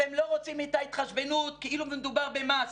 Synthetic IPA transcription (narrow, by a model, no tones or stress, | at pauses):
emlo̞ʁot͡simet̪ait̪χaʃbe̞nut̪̚keilummed̪ubaʁbemas